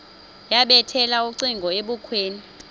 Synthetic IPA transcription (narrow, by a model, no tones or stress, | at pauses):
jaɓɛtʰɛlauǀiŋɡʱɔeɓukʰweːni